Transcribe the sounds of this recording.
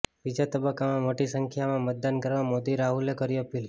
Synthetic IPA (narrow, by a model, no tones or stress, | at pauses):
bid͡ʒat̪əbəkːamãmoʈisəŋkʰjamãmət̪̚d̪ankəɾʋamod̪iɾaɦulekəɾiəpil